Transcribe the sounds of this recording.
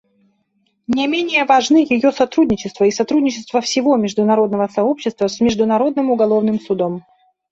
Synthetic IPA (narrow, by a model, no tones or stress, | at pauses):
nʲɪmʲenʲɪjəvɐʐnɨjɪjo̞sɐt̪ɾudʲnʲɪt͡ɕɪst̪vəisɐt̪ɾudʲnʲɪt͡ɕɪst̪vəfsʲɪvo̞mʲɪʐd̪ʊnɐɾo̞d̪nəvəsɐo̞pɕːɪst̪vəsmʲɪʐd̪ʊnɐɾo̞d̪nɨmʊɡɐlˠo̞vnɨmsʊd̪o̞m